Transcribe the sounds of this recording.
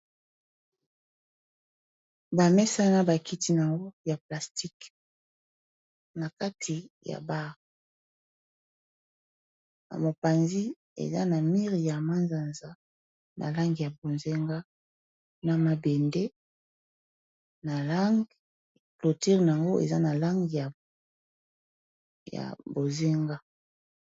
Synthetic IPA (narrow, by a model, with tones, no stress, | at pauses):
ba˨mɛ˦sa˦na˦ba˨ki˦ti˦n˨a˨ŋɡo˦ja˨pla˨sti˦k | na˨ka˦tʰi˨ja̰˨ba˦ʁ | na̰˨mo˨pa˨nzi˦ | ḛ˨za˦na˨mi˦ʁja˨ma˦nza˨nza˨ | nʔa̰˨la˦ŋɡi˨ja˨bo˨nze˦ŋɡa˦ | na˨ma˨be˨nde˦ | na˨la˦ŋɡ | lo˨ti˦ʁn˨a˨ŋɡo˦ʔḛ˨za˦na˨la˦ŋɡi˨ja˨ | ja̰˨bo˨ze˦ŋɡa˦